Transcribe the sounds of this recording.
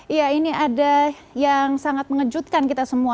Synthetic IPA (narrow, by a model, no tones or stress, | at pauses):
jainiada | jaŋsaŋat̪̚məŋəd͡ʒut̪̚kankit̪asəmua